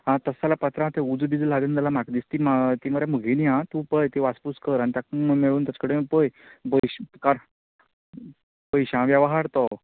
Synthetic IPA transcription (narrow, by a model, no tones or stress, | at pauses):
ɦãt̪əsalapat̪ɾãt̪eud͡zbid͡zlaɡənd̪alamakd̪ist̪imat̪iməɾjaməɡʱiniãt̪ũpəjt̪iʋaspuskəɾañit̪jakmmeɭuːnt̪jat͡skəɽepəjbəjɕkaɾ | pəjɕãʋjaʋaɦaɾt̪ɔ